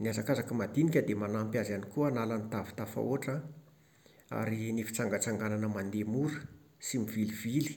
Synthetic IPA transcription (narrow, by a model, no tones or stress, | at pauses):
niazakazakəmad̪inikʲəd̪emanampjazanikuanalanit̪avi̥t̪afa̰oʈ͡ʂə | a̰ɾinifi̥t͡saŋɡat͡saŋɡananəmand̪emuɾə̥ | simivilivili̥